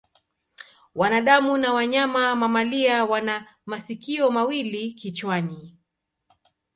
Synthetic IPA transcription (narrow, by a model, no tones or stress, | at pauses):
wanaɗamunawaɲamamamaliawana | masikiɔmawilikit͡ʃwani